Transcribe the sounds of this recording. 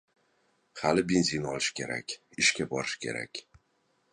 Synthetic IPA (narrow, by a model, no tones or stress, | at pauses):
halɪbenzinɒlɪʃkʲe̞̰ɾa̰kʲ | ɪʃkʲabɒɾɪʃkʲʰe̞̰ɾa̰kʲ